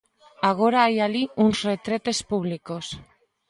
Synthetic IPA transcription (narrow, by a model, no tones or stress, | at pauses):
aɣ̞o̞ɾaːjaliunsret̪ɾet̪e̞spuβ̞liko̞s